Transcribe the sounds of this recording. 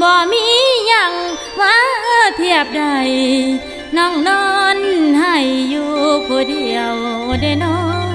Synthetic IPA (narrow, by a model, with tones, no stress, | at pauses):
bɔː˧˩miː˧˥ɲa˧˩ŋ | waː˧˥ʔɤː˧˩˨t̪ʰi˧˩əp̚da˧˩j | nɔ˧˥˨ŋnɔː˧˦˥nha˧˩jːuː˧kʰo˧˦di˧˩əwde˧˩nɔ˧˦